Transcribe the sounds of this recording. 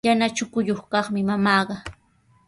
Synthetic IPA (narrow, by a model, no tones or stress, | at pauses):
janat͡ʃʊkʊjoχkɑχmɪmamɑːɢɑ